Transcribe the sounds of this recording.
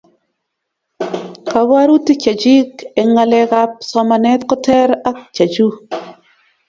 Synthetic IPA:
ka˨ba˦ɾu˦ti˦t͡ʃa˨d͡ʒi˦ke˨ŋa˨lɛ˨ka˦p̚sɔ˨˦ma˨nɛ˦t̪kɔ˦tɛ˦ɾa˦kt͡ʃa˨d͡ʒu˦

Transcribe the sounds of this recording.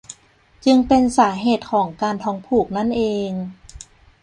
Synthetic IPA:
t͡ɕɯ˧ŋpe˧nsaː˩˦ɦeː˨˩t̪̚kʰɔː˩˦ŋkaː˧nt̪ʰɔː˧˥ŋpʰuː˧˩k̚na˦˥˨nʔeː˧ŋ

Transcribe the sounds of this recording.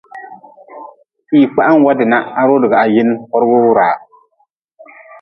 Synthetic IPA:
i˨k͡pa˦ʔa˦n˦wa˦dɪ˨na˦a˨ɾo˦lɪ˨ɡa˨a˨jɪ˦n˦hɔ˦ɾɡo˦ɾaː˨

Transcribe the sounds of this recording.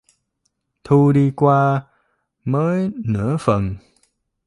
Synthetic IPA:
t̪ʰu˧ɗi˧kwaː˧ | məː˨˦jnɨ̰˧˥əfə˨˩n

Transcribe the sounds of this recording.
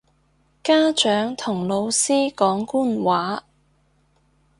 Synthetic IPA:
kaː˥t͡ʃœː˨˥ŋt̪ʰʊ˨˩ŋlo˨˧wsiː˥kɔː˨˥ŋkuː˥nwaː˨˥

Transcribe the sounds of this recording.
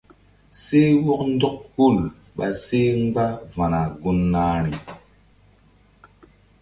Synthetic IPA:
se˦wɔ˦kn˦dɔ˦k̚ku˦˨l | ɓa˨se˦ŋ˦ɡ͡ba˦va˨na˨ɡu˦nːaː˦ɾi˨

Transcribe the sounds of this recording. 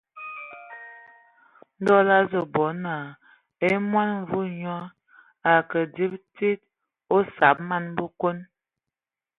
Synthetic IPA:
n̩˦dɔ˦la˦zə˨bɔ˨˦na˨ | e˦mwa˦n˨vu˦ɲɔ˦ | a˨kə˨di˦b̚ti˦t̚ | o˦sa˨˦p̚ma˦n˦bo˦ko˦n

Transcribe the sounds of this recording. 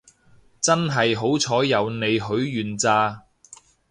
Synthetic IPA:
t͡sɐ˥nɦɐ˨jɦo˨˥wt͡sʰɔː˨˥jɐ˨˧wne˨˧jɦɵ˨˥ɥːyː˨nt͡saː˧

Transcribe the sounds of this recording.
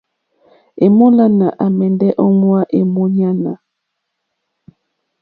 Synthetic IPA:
e˨mo˦la˦na˨ʔa˨mɛ˨ndɛ˦ʔɔ˦ŋwa˦ʔe˨mo˦ɲa˦na˨

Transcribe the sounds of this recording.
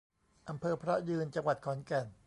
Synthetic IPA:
ʔa˧mpʰɤː˧pʰɾɔ˦˥jɯː˧nt͡ɕa˧ŋwa˨˩t̪̚kʰɔː˩˦nkɛ˨˩n

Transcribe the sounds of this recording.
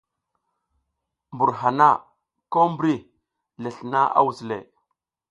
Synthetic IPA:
mbu˨ɾɦa˨na˦˨ | ko˦mbɾi˦ | le˨ɬna˦ʔa̰˦wu˨zlḛ˨

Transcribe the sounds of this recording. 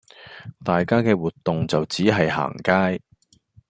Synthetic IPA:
t̪aː˨jkaː˥kɛː˧wuː˨˩tt̪ːʊ˨ŋt͡sɐ˨wt͡siː˨˥ɦɐ˨jɦa̰ː˨˩ŋkaː˥j

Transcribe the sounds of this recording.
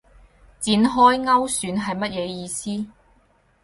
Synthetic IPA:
t͡siː˨˥nɦɔː˥jŋɐ˥wsyː˨˧nɦɐ˨jmɐ˥t̚jɛː˨˧jiː˨˧siː˥

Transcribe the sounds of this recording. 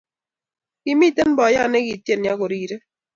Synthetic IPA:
ki˦mi˦˨te˦n˦bɔ˨˦ja˦˨nɛ˦ɡi˨tje˦˨nja˦ko˨ɾiː˦˨ɾe˦

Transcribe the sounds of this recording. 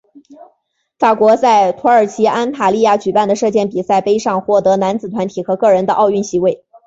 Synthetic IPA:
fa˨˩kwɔ˧˥t͡sa˥˩ɪt̪ʰwɔ˧˥ə˞˨˩t͡ɕʰi˧˥ʔa˥nt̪ʰa˨˩li˥˧ja˥˩t͡ɕy˨˩pa˥˩nd̪ə˩ʂɤ˥˧t͡ɕjɛ˥˩npi˨˩sa˥˩ɪpe˥ɪʂɑ˥˧ŋxwɔ˥˩t̪ɤ˧˥na˧˥nt͡sɹ̩˨˩t̪ʰwa˧˥nt̪ʰi˨˩xɤ˧˥kɤ˥˩ɻə˧˥nd̪ə˧ʔɑ˥˧ʊy˥˩nɕi˧˥we˥˩ɪ

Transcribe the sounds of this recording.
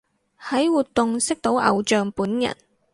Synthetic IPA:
hɐ˨˥jwuː˨t̪̚ʊ˨ŋsɪ˥k̚t̪o˨˥wʔɐ̰˨wt͡ʃœː˨˧ŋpuː˨˥njɐ̰˨˩n

